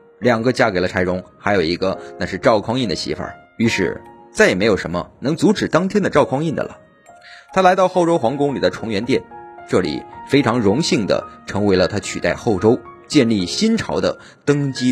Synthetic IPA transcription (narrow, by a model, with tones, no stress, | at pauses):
ljɑ˨˩ŋɡə˦t͡ɕja˥ke˨˩ɪlə˦ʈ͡ʂʰa˧˥ɪɻʊ˧˥ŋxa˧˥ɪjo˨˩ʊi˧˥ɡə˧na˥˧ʂɻ̩˥˧ʈ͡ʂɑ˥˧˩ʊkʰwɑ˥ŋi˥˩nd̪ə˩ɕḭ˧˥fə̰˞˨˩ | y˧˥ʂɻ̩˥˩ | t͡sa˥˩ɪ˨˩m˧˥jo˨˩ʊʂə˧˥nmə̰˧nɤ˧˥ŋt͡su˧˥ʈ͡ʂɻ̩˨˩t̪ɑ˥ŋt̪ʰjɛ˥nd̪ə˨ʈ͡ʂɑ˥˧ʊkʰwɑ˥ŋi˥˩nd̪ə̰˨lə̰˩ | t̪ʰa˥la˧˥ɪt̪ɑ˥˧ʊxo˥˩ʊʈ͡ʂo˥ʊxwɑ˧˥ŋkʊ˥ŋli˨˩d̪ə˦ʈ͡ʂʰʊ˧˥ŋɥɛ˧˥nt̪jɛ˥˩nʈ͡ʂɤ˥˩lḭ˨˩fe˥ɪʈ͡ʂʰɑ˧˥ŋɻʊ˧˥ŋɕi˥˩ŋd̪ə̰˩ʈ͡ʂʰɤ˧˥ŋwe˧˥ɪlə˧t̪ʰa˥t͡ɕʰy˨˩t̪a̰˥˧ɪxo˥˩ʊʈ͡ʂo˥ʊt͡ɕjɛ˥˧nli˥˩ɕi˥nʈ͡ʂʰɑ˧˥ʊd̪ə̰˧ | t̪ɤ˥ŋt͡ɕi˥